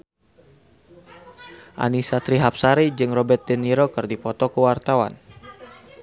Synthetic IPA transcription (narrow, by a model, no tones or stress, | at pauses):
ʔa̰nisat̪ɾiɦap̚saɾid͡ʒɨŋrɔbɛrt̪̚dɛniɾokɨrdipɔt̪ɔkəwart̪awa̰n